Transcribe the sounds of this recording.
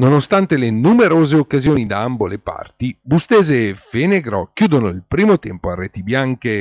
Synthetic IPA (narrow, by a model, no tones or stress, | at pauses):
nonost̪ant̪elenumeɾoːzeokːazjoːnid̪aambolepa̰rt̪ibust̪ɛːzeːfeneɡɾɔkjuːd̪onoilpɾiːmot̪ɛ̰mpoarːeːt̪ibjaŋk̟e